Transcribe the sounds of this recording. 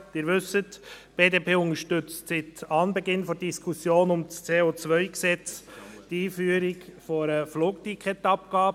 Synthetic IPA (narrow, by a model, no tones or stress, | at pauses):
d̥ɪːɾʋʏsətb̥eːdeːpʰeːʊŋəʃtʏt͡stsɪtɑnbɛɡɪnfɔd̥iskʰʊsjoːnʊmst͡seːot͡sʋœʏksɛt͡sd̥iːfyːəɾɪkfoɾəfluːktikʰɛtɑp̚kɑːbə